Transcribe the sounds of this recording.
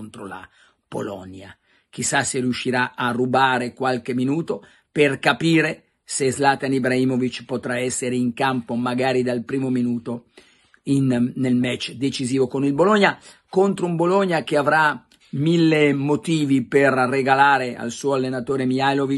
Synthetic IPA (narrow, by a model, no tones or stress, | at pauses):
nt̪ɾola̰ | po̰lɔ̰nja̰ | k̟isːaseriuʃːiɾaʔarːubaːɾekwalk̟eminuːt̪o | perkapiːɾe | sezlat̪anibɾaiːmovit͡ʃpot̪ɾaɛsːeɾeiŋkampomaɡaːɾid̪alpɾiːmominuːt̪o | inːelmɛt͡ʃːd̪et͡ʃiziːvokonilbolɔɲːa | kont̪ɾoumbolɔɲːak̟eavɾa | milːemot̪iːviperreɡalaːɾea̰lsuːalːenat̪oːɾemialovi